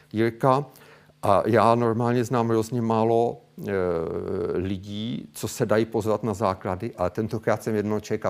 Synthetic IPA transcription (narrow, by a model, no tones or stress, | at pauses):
jɪɾka | ʔajaːno̞ɾmaːlɲɛznaːmɦɾozɲɛmaːlo̞ | lɪɟiːt͡so̞sɛdajiːpozvat̪nazaːkladɪʔat̪ɛnt̪okɾaːt̪sɛmjɛdnoɦot͡ʃɛka